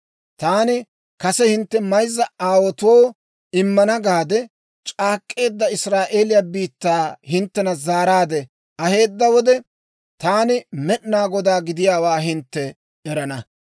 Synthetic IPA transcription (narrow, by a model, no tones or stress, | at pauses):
t̪aːnɪ | kɐsɛhɪnt̪ːɛmɐjzːɐaːwɔt̪ʊwoː | ɪmːɐnɐɡaːd̪ɛ | t͡ʃʼaːkʼːe̞ːd̪ːɐɪsɾaːʔeːlɪjaːbiːt̪ːaːhɪnt̪ːɛnɐzaːɾaːd̪ɛ | ɐhe̞ːd̪ːɐwɔd̪ɛ | t̪aːnɪmɛʔnaːɡɔd̪aːɡɪd̪ɪjaːwaːɦɪnt̪ːɛː | ɾɐnɐ